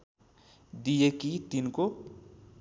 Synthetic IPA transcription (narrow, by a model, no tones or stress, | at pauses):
d̪ijekit̪inko